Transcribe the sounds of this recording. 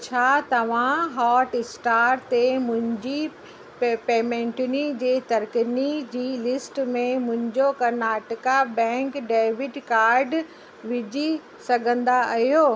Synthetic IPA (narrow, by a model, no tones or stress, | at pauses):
t͡ɕʰaːt̪ɐʋ̤ãɦaːʈɪsʈaːɾt̪emʊ̃ɦɪ̃ɲd͡ʑi | peːmẽːɳʈʊnid͡ʑeːt̪ɐɾknid͡ʑiːlɪsʈmẽmʊ̃ɦɪ̃ɲd͡ʑokɐɾnaːʈəkabɛ̃ːŋkɖeːʋɪɖkaːɾɖ | ʋɪd͡ʑʱi | sɐɡʱə̃nd̪aɐɦijoː